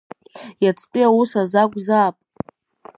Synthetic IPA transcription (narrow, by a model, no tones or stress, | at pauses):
jat͡sʰʼpʼiawusazaɡʷzaːpʼ